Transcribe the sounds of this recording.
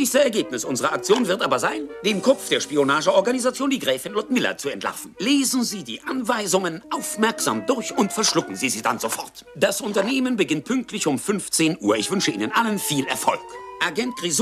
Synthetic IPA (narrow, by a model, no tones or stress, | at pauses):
nɛːçstəsɛɐɡeːpnɪsʔʊnzəʁɐʔak̚t͡sjoːnvɪɐtʔaːbɐzaɪnd̥eːmkʰɔp͡fd̥eːɐʃpionaːʒəʔɔɐɡanizat͡sjoːndiːɡʁɛːfɪnlʊtmɪlɐ̰t͡suɛntʰla̰ɐfn̩leːzn̩ziːdiːʔanvaɪzʊŋənʔaʊfmɛɐkz̥a̰ːmdʊɐçʊntfɛɐʃlʊkŋ̩ziːziːda̰nzofɔ̰ʁtd̥asʔʊntɐneːmənbəɡɪnt̚pʰʏŋk̚tʰlɪçʊmfʏnft͡seːnʔṵːɐɪçv̥ʏnʃəʔiːnənʔalənfiːlɛ̰ɐfɔ̰lkʔaɡɛnt̚ɡ̥ʁiz